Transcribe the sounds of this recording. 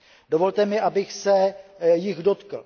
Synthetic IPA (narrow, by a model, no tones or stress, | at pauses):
do̞vo̞lt̪ɛmɪʔabɪxsɛjɪɣdo̞t̪kl̩